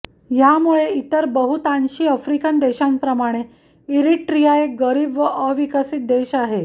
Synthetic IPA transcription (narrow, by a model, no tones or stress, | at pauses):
jamuɭeit̪əɾbəɦut̪anɕiːəfɾikənd̪eɕãŋpɾəmaɽ̃e | iɾiʈɾijaeɡəɾiːbʋəʔəʋikəsit̪̚d̪eɕaɦe